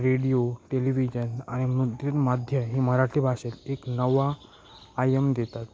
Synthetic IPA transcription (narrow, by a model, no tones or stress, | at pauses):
ɾeɽijoʈeliʋid͡ʑəna̰ɽ̃imut̪jit̪mad̪ʱjəɦiːməɾaʈʰiːbʱaʂeleknəʋaː | jemd̪et̪at̪